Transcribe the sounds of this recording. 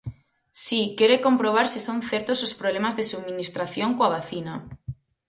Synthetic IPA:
sikeɾekompɾoβ̞aɾsisonθeɾt̪osospɾoβlemazðesuðminist̪ɾaθjoŋkoaβ̞aθina

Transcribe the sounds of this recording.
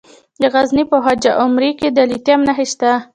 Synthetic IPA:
d̪əɣaznipəɦad͡ʒaʔʊmɾiked̪alit̪jamnaɦeʃt̪a

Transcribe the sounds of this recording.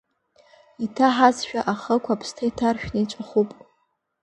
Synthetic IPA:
itʰaħazʃᶣaʔaχəkʷʰaːpʰstʰaitʰarʃᶣnɨit͡ʃʷʼaχupʼ

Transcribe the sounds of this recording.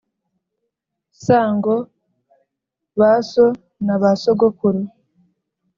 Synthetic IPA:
saːŋɡo | βaso | naβasoɡokuɾi

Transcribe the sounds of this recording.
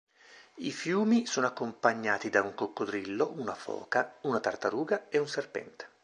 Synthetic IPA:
ifjuːmisoːnoakːompaɲːaːt̪id̪auŋkokːod̪ɾilːoʔunafɔ̰ːkaunat̪art̪aɾuːɡaeunserpɛ̰nt̪e̥

